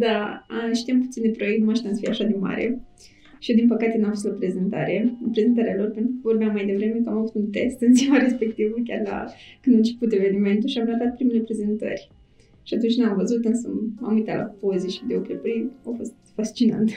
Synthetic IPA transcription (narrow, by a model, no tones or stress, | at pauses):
d̪aəʃt̪iamput̪sind̪epɾo̞jekt̪umaʃt̪ʲansfiaʃad̪ema̰ɾʔḛ | ʃijed̪inpəkat̪enuamfost̪opɾe̞ze̞nt̪a̰ɾepɾeze̞nt̪aɾealo̞rpent̪ɾukəvo̞rbeamːajd̪e̞vɾemekəamavut̪unt̪e̞st̪ɨnsimaɾe̞spe̞k̚t̪ivukʲa̰rla̰kɨnd̪ant͡ʃeput̪e̞ve̞nime̞nt̪uʃiamɾət̪at̪̚pɾime̞lepɾe̞ze̞nt̪ə̰rʲ | ʃiat̪unt͡ʃʲnamvəzut̪ɨnsə̰a̰mujt̪ala̰pozeʃid̪eokɾepəɾiawfo̞st̪̚fast͡ʃina̰nt̪